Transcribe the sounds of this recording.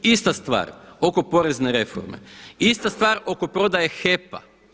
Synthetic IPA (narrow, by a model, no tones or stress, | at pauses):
ist̪ast̪ʋa̰ːɾo̞ko̞po̞ɾe̞zne̞ɾe̞fo̰ɾmḛist̪ast̪ʋaːɾo̞ko̞pɾo̞d̪ajexepa̰